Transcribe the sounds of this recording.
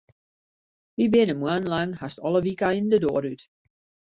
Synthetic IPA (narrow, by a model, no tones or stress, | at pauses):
ʋibɪənəmwanlaŋhastɔləʋikaindədo̰ːɾyt